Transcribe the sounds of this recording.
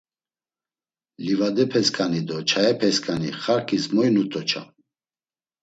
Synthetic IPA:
livad̪ɛpʰɛskʼanid̪ɔt͡ʃʰaɛpʰɛskʼaniχaɾkʰʼizmɔjnut̪ʼɔt͡ʃʰa̰

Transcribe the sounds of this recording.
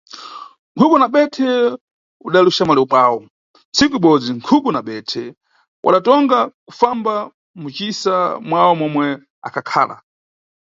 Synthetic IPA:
ŋ̩kʰuɓunaɓɛtʰɛ | uɗaluʃamalɛupwaːwɔ | nt͡sʰikuiɓɔd͡ziŋkʰuɓunaɓɛtʰɛ | wʔa̰ɗatɔŋɡaku̥famba | mut͡ʃisamwawɔmɔmwɛ | a̰kʰakʰa̰ːla̰

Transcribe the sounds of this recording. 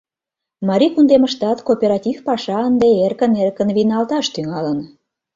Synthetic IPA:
mɑɾʲikund̪eməʃt̪ɑt̪kopʲeɾɑtʲifpɑʃɑənd̪eerkənerkə̆nβinɑlt̪ɑʃt̪yŋɑlən

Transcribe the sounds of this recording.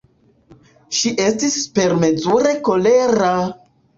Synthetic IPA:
ʃiʔe̞stispe̞ɾme̞zuɾe̞ko̞le̞ɾa

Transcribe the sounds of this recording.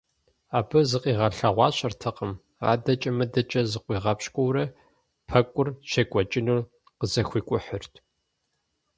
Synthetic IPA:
aːbɨzɨqʼiːʁɐɬɐʁʷɑːɕʼɐrtʰɐqəm | a̰ːdɐt͡ʃʼɐmɐdɐt͡ʃʼɐzɨqʷiːʁɐpɕkʷʼʊwɾɐ | pʰɐkʷʼʊrʃɐkʷʼɔt͡ʃʼɪnuːr | qəzɐxʷiːkʷʼʊħərtʰ

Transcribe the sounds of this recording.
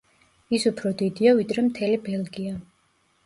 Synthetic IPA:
isupʰɾɔd̪id̪iavid̪ɾɛmt̪ʰɛlibɛlɡia

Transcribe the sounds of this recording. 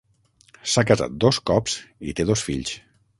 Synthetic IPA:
sakaza̰t̪̚d̪oskɔpsḭt̪eðosfiʎs

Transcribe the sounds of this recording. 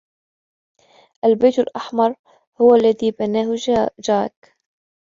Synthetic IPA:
ʔalbajt̪alʔaħmɑɾˤ | hʊwalːaðiːbanaːhʊd͡ʒaːk

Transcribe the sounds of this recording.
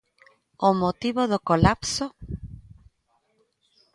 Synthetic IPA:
omot̪iβoðokolapso

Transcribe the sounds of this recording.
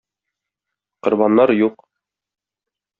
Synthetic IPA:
qŏɾbɑnːɑɾjuq

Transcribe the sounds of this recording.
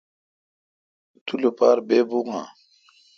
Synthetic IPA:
t̪ʰulopaːɾbebuŋa̰

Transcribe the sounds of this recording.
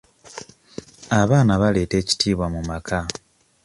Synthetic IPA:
aβaːnaβale̞ːte̞ːci̥tʰiːβwamumakʰa

